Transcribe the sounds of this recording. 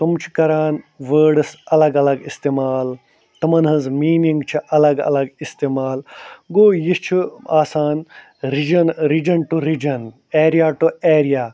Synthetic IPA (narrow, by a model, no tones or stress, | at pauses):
t̪umt͡ʃʰi̥kɐɾaːnʋəːɖɨsɐlɐɡɐlɐɡist̪eːmaːl | t̪ɐmɐnɦɐzmiːniŋɡt͡ʃʰiʔɐlɐɡɐ̰lɐɡist̪eːmaːlɡoːjist͡ʃʰiaːsaːn | ɾid͡ʒɐnɾid͡ʒɐnʈuɾid͡ʒɐn | eːɾijaːʈueːɾijaː